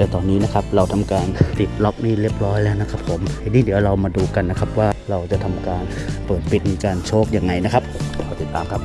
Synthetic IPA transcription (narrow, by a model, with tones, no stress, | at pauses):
t̪ɛː˧˩t̪ɔː˧nːiː˦˥na˦˥kʰp̚ɾa˧wt̪ʰa˧mkaː˧nt̪i˨˩t̪̚lɔ˦˥k̚niː˥˩ɾi˥˩əp̚ɾɔː˦˥jlɛː˦˥˩wna˦˥kʰa˦˥pʰːo˨˩˦mhnːiː˥˩d̪i˩˦wɾa˧wmaː˧duː˧ka˧nːa˦˥kʰa˦˥p̚waː˥˩ɾa˧wt͡ɕa˨˩ʔt̪ʰa˧mkaː˧n | pɤː˨˩t̪̚pi˨˩t̪̚miː˧kaː˧nt͡ɕʰoː˦˥˩k̚jaː˧ŋːa˧jna˦˥kʰa˦˥p̚kʰa˧˩t̪i˨˩t̪ːaː˧mkʰa˦˥p̚